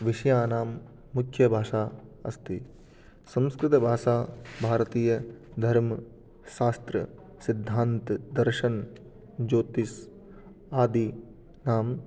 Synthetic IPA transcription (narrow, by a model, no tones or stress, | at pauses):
ʋɪʃɐjaːnaːmː | ukʰjɐbʱaːʃaːɐ̰st̪i | sɐ̃mskɾɪt̪ɐbʱaːʃaːbʱaːɾɐt̪iːjɐd̪ʱɐɾmɐ | ʃaːst̪ɾɐ̰ | sɪd̪ʱːaːnt̪d̪ɐɾʃɐn | d͡ʒoːt̪is | aːd̪i | naːm